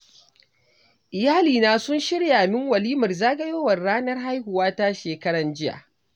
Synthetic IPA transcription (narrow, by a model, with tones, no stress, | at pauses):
ʔɪ˨jaː˦liː˨naː˨sʊ˦nʃɪ˦ɽjaː˨mɪ˦ŋwɐ˨liː˦mʊ˨rzaː˦ɡɐ˦joː˦wɐ˨rɽaː˦nɐ˦rɦa˦jhʊ˨waː˦ta˦ʃeː˨kɐ˦ɽɐ˨nd͡ʒɪ˦ja̰˨ʔ